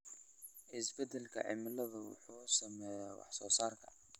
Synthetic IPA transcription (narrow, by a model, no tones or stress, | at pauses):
ʔɪsbɨd̪ɐlkʰɐ̰ʕɪ̰mɨlɐðɐwʊ̰ħusɐmɐwa̰ħsosaɾkʰɐ̰